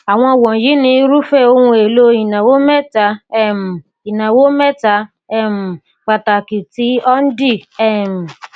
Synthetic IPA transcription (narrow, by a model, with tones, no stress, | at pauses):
a˨w̃ɔ̃˧˨wɔ̃˨ji˨˦nĩ˧˦ɾu˦fɛ˦o˧hũ˧e˨lo˧i˨nã˨wo˨˦mɛ˦ta˧˦ɛ˦˨m˨ | i˨nã˨wo˨˦mɛ˦ta˨˦ | ɛ˦˨m̩˨ | k͡pa˨ta˨ki˨ti˨˦ɔ˦n̩˦di˦˨ɛ˦˨m̩˨